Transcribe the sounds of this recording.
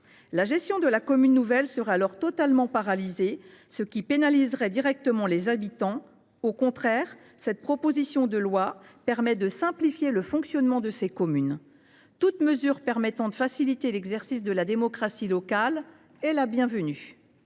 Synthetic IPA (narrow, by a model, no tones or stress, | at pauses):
laʒɛst̪jɔ̃d̪əlakɔmynːuvɛlsəʁɛalɔʁt̪ɔt̪almɑ̃paʁalize | səkʲipenalizʁɛd̪iʁɛk̚t̪əmɑ̃lezabit̪ɑ̃ | okɔ̃t̪χɛːʁ | sɛt̪̚pχɔpozisjɔ̃d̪əlwapɛʁmɛd̪əsɛ̃plifjeləfɔ̃ksjɔnmɑ̃d̪əsekɔmyn | t̪ut̪məzyʁpɛʁmɛt̪ɑ̃d̪əfasilit̪elɛɡzɛʁsisd̪əlad̪emɔkχasilɔkal | ɛlabjɛ̃vəny